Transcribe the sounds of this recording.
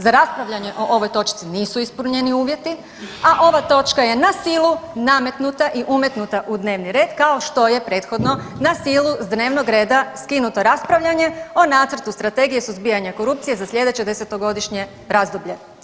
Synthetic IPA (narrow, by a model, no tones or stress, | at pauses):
zaɾaspɾaʋʎaɲe̞ʔo̞ʔo̞ʋo̞jt̪o̞t͡ʃt̪siniːsuispuɾɲeniuːʋje̞t̪i | aʔo̞ʋat̪o̞t͡ʃkaje̞nasiːlˠuname̞t̪nut̪aʔiʔumjet̪nut̪aʔud̪ne̞ːʋniɾe̞ːd̪kao̞ʃt̪o̞je̞pɾe̞ːt̪xo̞d̪no̞ | nasiːlˠuzd̪ne̞ːʋno̞ɡɾe̞ːd̪askinut̪o̞ɾaspɾaʋʎaɲe̞o̞naːt̪sɾ̩t̪ust̪ɾat̪e̞ɡijesuzbijaɲako̞ɾupt̪sije̞zaslʎʲe̞d̪e̞t͡ɕed̪eset̪o̞ɡo̞d̪iʃɲe̞ | ɾazd̪obʎe̞